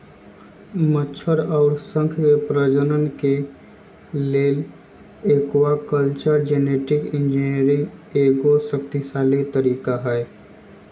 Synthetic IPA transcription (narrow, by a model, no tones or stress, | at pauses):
mət͡ʃʰəɾɔːɾsə̃ŋkʰkepɾəd͡ʒənənke | leːl | eːkwakəlt͡ʃəɾd͡ʒeːneːʈɪkɪ̃nd͡ʒiniəɾɪ̃ŋeːɡosəkt̪isaːlet̪əɾiːkaɦɛː